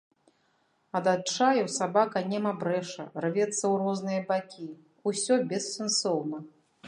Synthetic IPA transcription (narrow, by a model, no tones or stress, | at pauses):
ɐd̪at͡ʂajɛwsabakɐnʲɛmɐbɾɛʂɐ̰rvʲɛt̪sːɐwrɔznɨjɐbakʲi | usʲɔbʲɛssʲɨnsɔwnɐ